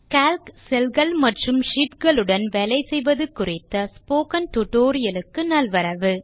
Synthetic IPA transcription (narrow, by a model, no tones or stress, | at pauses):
kaːlksɛlɡɐɭmɐʈrɯmʂiːʈɡɐɭɯɽɐnʋɛlɐɪsɛjʋɐðɯkːʊrɪt̪ːɐspoːkɐnʈ̪ʊʈoːɾɪjɐlɯkːɯnɐlʋɐɾɐʋɯ